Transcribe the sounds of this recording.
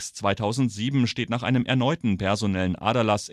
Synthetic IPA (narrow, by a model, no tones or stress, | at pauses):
st͡sv̥aɪtʰaʊzn̩tz̥iːbm̩ʃteːtnaːχʔa̰ɪnəmʔɛ̰ɐnɔʏtn̩pʰɛɐzonɛlənʔa̰ːɾɐlas